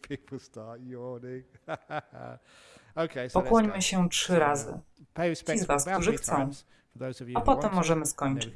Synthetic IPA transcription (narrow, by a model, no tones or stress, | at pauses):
pʰipl̩ˠstɑˑʔəɔnɪ̰ | oʊkʰeɪspɔkwɔɲmɘɕɛtʂɘɾazɘ̰pʰeɪsizvaskktuʐɨxt̪sɔ̃w̃ | fəðoʊzəvjapɔtɛmːɔʐɛmɘskɔɲt͡ʂɘt͡ɕ